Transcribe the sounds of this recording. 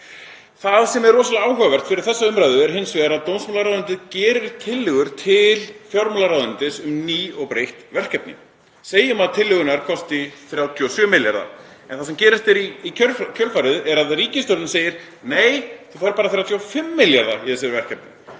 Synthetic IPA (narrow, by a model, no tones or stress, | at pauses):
θaðsɛmɛɾrɔːsalaaːwhœɣavɛr̥t̪fɪɾɪɾ̥θɛsːaʏmɾajðʏɛɾ̥ɦensvɪːðaɾaðt̪ownsmɔlaɾawðʏnt̪ɪðcɛːɾɪɾ̥t̪ʰɪlːʏɣʏɾ̥t̪ʰɪlfjɔɾmɔlaɾawðʏnt̪ɪsʏmniːɔɣpɾejht̪vɛr̥kɛp̚nɪ̰ | seːjɪmaðt̪ʰɪlːʏɣʏnaɾ̥kʰɔst̪ɪθɾjawt̪ʰiosœmɪlja̰ɾða̰ | ɛnθasɛmcɛːɾɪst̪ɛɾiːœcʰœlfaɾɪðɛɾaðriːcɪst̪œɾt̪nɪseːjɪɾ̥ | neːjθuθaɾpaːɾaθjawt̪ʰjafɪmːɪljaɾða̰iɛsɛɾvɛr̥kɛp̚nɪ̰